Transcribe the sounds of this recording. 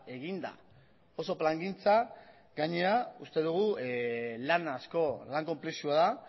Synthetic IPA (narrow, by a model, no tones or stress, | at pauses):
e̞ɣind̪a̰ | o̞so̞plaŋɡint͡sa | ɡaɲe̞aust̪e̞ðuɣ̞u | lanasko̞laŋko̞mplesuaða